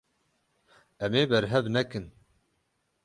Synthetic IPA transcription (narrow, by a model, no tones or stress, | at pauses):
ɛmeːbɛɾɦɛvnɛkɨn